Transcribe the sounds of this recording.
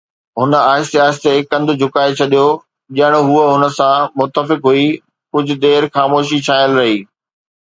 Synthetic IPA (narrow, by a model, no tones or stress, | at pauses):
ɦʊnə̆aːɪst̪aːɪst̪ekɐ̃nd̪ʱʊ̆d͡ʑʱʊkaːet͡ɕʰɐɗijo | ʄɐɦɪɽ̃ɦuəɦʊnə̆sãmʊt̪əfɪkɦui | kʊd͡ʑʱʊ̆d̪eːɾxaːmoːʃit͡ɕʰaːɪəlɾɐɦiː